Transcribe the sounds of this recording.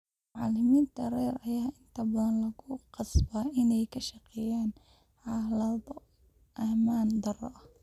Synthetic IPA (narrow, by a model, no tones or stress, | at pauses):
mʊʕɑlɪmiːnt̪ʰɐrɛːɾɐjaːɪnt̪ʰɐbɐðɐnlɐɣʊqɑsbaʔɪnɛjkʰɐʃɑqɛjaːn | ʕɑhlɐðɔ | ʔɐhmaːnd̪ɐrɔʔɐh